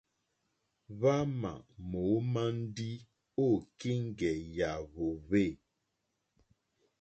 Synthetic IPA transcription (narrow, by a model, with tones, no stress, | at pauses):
βa˦ma̰˨mo˨˦ma˦n̩˦di˦ | o˦˨ki˦ŋ̩˦ɡɛ˨ja˨βo˨βe˦˨